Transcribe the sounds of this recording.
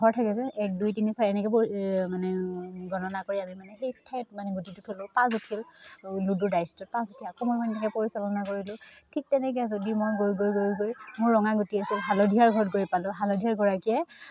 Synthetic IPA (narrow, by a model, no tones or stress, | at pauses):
ɡʱɔɹtʰakɛzɛʔɛk̚dujtinisaɹɛnɛkɛpmanɛɡɔnɔnakoɹiamimanɛxejtʰɛt̚manɛɡutitutʰolʊ̃pãs̬utʰillududajstut̚pãsutʰilakomojmɔnɛnɛkɛpoɹisɔlɔnakoɹilʊ̃tʰik̚tɛnɛk̬ɛzodimojɡojɡojɡojɡojmʊɹːɔŋaɡutiasilɦalɔdʱiaɹɡʱɔɹɔt̚ɡojpalʊ̃ɦalodʱijaɹɡɔɹakiɛ